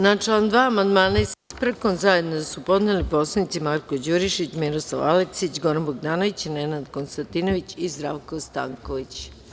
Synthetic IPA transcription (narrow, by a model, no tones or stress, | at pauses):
nat͡ʂland̪ʋaːmand̪maːnaispɾkonzajed̪nod̪asupo̞d̪nelipo̞slˠanit̪simaɾko̞d͡ʑuɾiʃit͡ɕmiɾo̞slˠa̰ʋa̰leksit͡ɕɡoɾanboɡd̪aːno̞ʋit͡ɕinenad̪konst̪ant̪inoʋit͡ɕizd̪ɾaʋkost̪a̰ŋkoʋit͡ɕ